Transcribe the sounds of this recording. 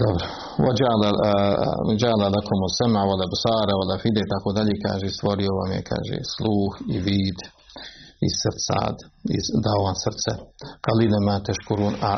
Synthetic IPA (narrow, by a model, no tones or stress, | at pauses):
d̪obɾo | ʋod͡ʒala | d͡ʒaːlalakʰomosɛmaʋolabsaːɾaolafid̪eit̪akoːd̪aʎeːka̰ːʒeist̪ʋoɾioʋa̰mjḛkʰa̰ːʒḛslˠuːxiʋiːd̪ | isrt̪sa̰ːd̪ḭzd̪aoʋansrt̪sɛqalilemat̪ɛʃkuɾuːna